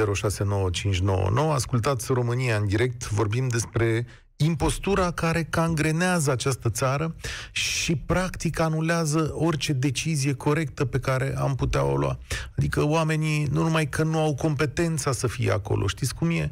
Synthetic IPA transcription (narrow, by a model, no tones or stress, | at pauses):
eɾo̞ʃase̞no̞wət͡ʃint͡ʃʲno̞̰wə̰no̞wəaskult̪at̪sʲro̞mɨniaɨnd̪iɾe̞k̚t̪vo̞rbimd̪e̞spɾe̞ | impo̞st̪uɾakaɾe̞kaŋɡɾe̞neazəat͡ʃast̪ət̪saɾəʃipɾakt̪ikanuleazəo̞rʲt͡ʃe̞d̪e̞t͡ʃizije̞kʰo̞ɾe̞k̚t̪əpe̞kaɾe̞̰amput̪ea̰o̞̰lw̰a̰ad̪ikəwame̞ninunumajkʰənuawko̞mpe̞t̪e̞nt̪sasəfijḛa̰ko̞̰lʔo̞̰ʃt̪it̪sʲkumje̞